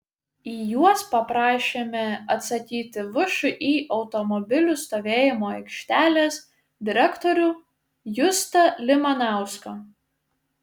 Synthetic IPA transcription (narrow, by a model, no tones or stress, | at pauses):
iːjuɔspɐpɾɑːʃʲeːmʲɛɐt̪sɐkʲiːt̪ʲɪʋʊʃʊʔiːʔɒʊt̪ɔmɔbʲɪlʲust̪oːʋʲeːjɪmoːɛɪkʃʲt̪ʲæːlʲeːs | d̪ʲɪɾʲɛkt̪ɔɾʲuː | jʊst̪ɐlʲɪmɐnɑˑʊskɐ